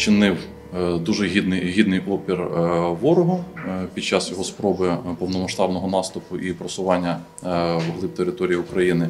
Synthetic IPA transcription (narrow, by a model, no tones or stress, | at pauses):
t͡ʃɪnɪw | d̪uʒɛɦʲid̪nɪjɦʲid̪nɪjʔɔpʲirʋɔɾʊɦɔpʲid̪̚t͡ʃɑsjɔɦɔspɾɔbɪpɔwnɔmɐʃt̪ɑbnɔɦɔnɑst̪ʊpʊʔipɾɔsʊʋɑnʲːɐ | ʋoɦlˠɪp̚t̪eɾɪt̪ɔɾʲijiʊkɾɐjinɪ